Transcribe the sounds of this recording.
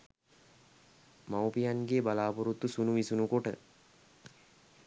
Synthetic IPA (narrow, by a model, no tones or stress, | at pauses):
mawpijanɡeːbalaːpuɾut̪ːusunuʋisunukoʈə̰